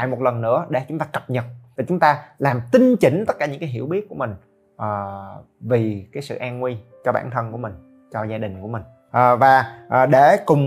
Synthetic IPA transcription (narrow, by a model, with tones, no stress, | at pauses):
aː˧˨jmo˨˩t̚lə˨˩nːɨ̰˧˥əɗe˧˩t͡ɕʊ˨˦ŋ͡mt̪aː˧kə˨˩p̚ɲə˨˩t̚vaː˨˩t͡ɕʊ˨˦ŋ͡mt̪aː˧laː˨˩mt̪ï˧ŋ̟t͡ɕï˧˨˦ŋ̟t̪ə˦˥kaː˧˩ɲɨ̰˧˥ŋkaː˨˦jɦḭ˧˩əwɓi˦˥ət̚ku˧˩əmï˨˩ŋ̟ | ʔː | vi˨˩kaː˨˦jsɨ̰˧˨ʔaː˧nŋwi˧t͡ɕɔ˧ɓa̰ː˧˩nt̪ʰə˧nku˧˩əmï˨˩ŋ̟ | t͡ɕɔ˧zaː˧ɗï˨˩ŋ̟ku˧˩əmï˨˩ŋ̟ | ʔːvaː˨˩ʔːɗe˧˩kʊ˨˩ŋ͡m